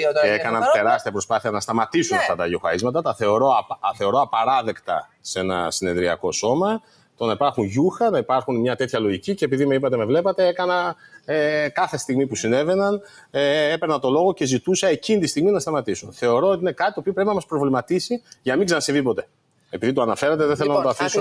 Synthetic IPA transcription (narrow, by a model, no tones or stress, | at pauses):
ekɐnɐnt̪e̞ɾɐst̪iɐpɾo̞spɐθiɐnɐst̪ɐmɐt̪isunɐft̪ɐt̪ɐʝio̞xɐ̰ɾizmɐt̪ɐt̪ɐθe̞o̞ɾo̞ɐθe̞o̞ɾo̞ɐpɐɾɐðe̞kt̪ɐ̰ | se̞nɐ̰sine̞ðɾiɐ̰ko̞so̞mɐ | t̪o̞nɐipɐɾxunʝuxɐnɐipɐɾxunmɲɐt̪e̞t̪çɐlo̞ʝicice̞ːpiðimeipɐt̪e̞mevle̞pɐt̪e̞e̞kɐnɐekɐθe̞st̪iɣmipusine̞ve̞nɐn | epeɾnɐt̪o̞lo̞ɣo̞ce̞zit̪usɐe̞cinit̪ist̪iɣminɐst̪ɐmɐt̪isunθe̞o̞ɾo̞oiinekɐt̪t̪opiopɾepinɐmɐspɾo̞vlimɐt̪isiʝɐmiɡzɐnɐsevipo̞t̪e̞ | epiðit̪oɐnɐfe̞ɾɐt̪eðeθelonɐɐt̪ofisu